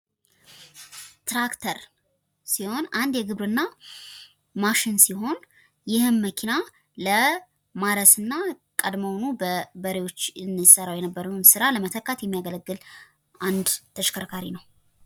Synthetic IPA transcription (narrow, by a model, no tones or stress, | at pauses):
t̪ɾakt̪ʰəɾ | siho̞nand̪jɛɡɨβɾɨnːa | maʃɪnsiho̞n | jɪhɨnməkʰina | lə | maɾəsɨnːa | kʼəd̪məwnubəbəɾewo̞t͡ʃːɨnːɨsəɾawjɛnəbːəɾənsɨɾaləmət̪ʰəkːat̪jɛmːijaɡələɡːɨl | ʔand̪t̪ʰəʃkʰəɾkʰaɾḭnəw